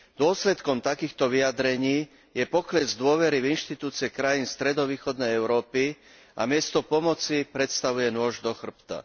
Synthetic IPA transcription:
d̪̥ʊɔslɛt̪kɔmt̪akiːxt̪ɔʋijad̪ɾɛɲiː | jɛpɔklɛzd̪ʊɔʋɛɾivinʃt̪it̪uːt͡siɛkɾajiːnst̪ɾɛd̪ɔʋiːxɔd̪nɛjɛʊɾɔːpi | ʔa̰mɪɛst̪ɔpɔmɔt͡sipɾɛt̪st̪aʋujɛnʊɔʒd̪ɔxr̩pt̪a̰

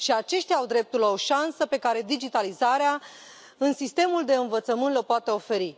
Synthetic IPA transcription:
ʃiat͡ʃe̞ʃt̪jaːawd̪ɾe̞p̚t̪uɾlao̞ʃansəpe̞kaɾe̞d̪id͡ʒit̪alizaɾea | ɨnsist̪e̞muld̪e̞ɨnvət̪səmɨnt̪lopoat̪e̞o̞fe̞ɾi

